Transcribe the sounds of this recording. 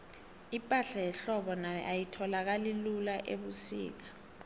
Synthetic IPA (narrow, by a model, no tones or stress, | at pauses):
ipʼaɬajɛɬɔɓɔna̰ʔajitʰɔlak̬alilulaʔḛɓusḭːk̬ḁ